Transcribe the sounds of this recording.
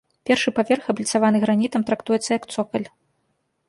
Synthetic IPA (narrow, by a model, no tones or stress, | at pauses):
pʲɛrʂɨpavʲɛrxɐblʲit̪savan̪ɨɣɾanʲit̪ɐmt̪ɾakt̪ujɛt̪sːɐjɐkt̪sɔkɐlʲ